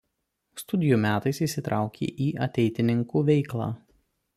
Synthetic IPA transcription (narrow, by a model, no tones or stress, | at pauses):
st̪ʊd̪ʲɪjuːmʲæːt̪ɐɪsisʲɪt̪ɾʔɑˑʊkʲʰḛːʔiːɐ̰t̪ʲɛɪt̪ʲɪnʲɪŋkuːʋʲɛɪklˠɑ̰ː